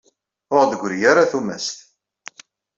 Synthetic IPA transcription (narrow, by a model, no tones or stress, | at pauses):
ʊʁd̪əɡʷɾijaɾaθumæ̰st̪